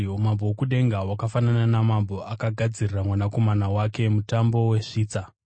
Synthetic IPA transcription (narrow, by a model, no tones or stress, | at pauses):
omambowokuɗe̞ŋɡawakafanananamambo̞akaɡʱad͡ziriramwanako̞manawake̞mutambo̞we̞ʂiːt͡sa